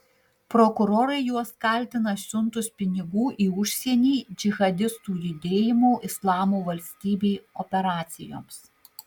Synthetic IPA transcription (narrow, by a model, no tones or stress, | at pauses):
pɾɔkʊɾoːɾɐɪjuɔskɐlʲt̪ʲɪnɐsʲʊnt̪ʊspʲɪnʲɪɡuːʔiːʊʃʲsʲɛɛnʲiːd͡ʒʲɪɣɐd̪ʲɪst̪uːjʊd̪ʲeːjɪmoːʔɪslˠɑːmuːʋɐlʲsʲt̪ʲiːbʲeːɔpʲɛɾɑːt̪sʲɪjo̰ːms